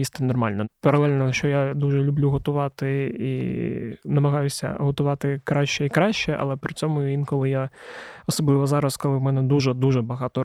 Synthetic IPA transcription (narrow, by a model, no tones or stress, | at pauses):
jist̪nɔrmɑlʲnɐpɐɾɐlˠɛlʲnɔʃt͡ʃɔjad̪uʒɛlʲʊblʲuɦɔt̪ʊʋɑt̪ɪi | nɐmɐɦɑjʊsʲɐ̰ɦɔt̪ʊʋɑt̪ɪkɾɑʃt͡ʃɛikɾɑʃt͡ʃɛʔɐ̰lˠɛpɾɪt͡sʲɔmʊinkɔlˠɪjaɔsɔblˠɪʋɔzɑɾɐskɔlˠɪwmɛnɛd̪uʒɛd̪uʒɛbɐɦɑt̪ɔ